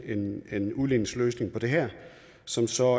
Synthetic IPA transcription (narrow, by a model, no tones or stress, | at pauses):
ene̝nuðˠlinəsløːsne̝ŋpʰɒ̽d̥e̝ɦɛɐ̰ | sɒ̽msɒ̽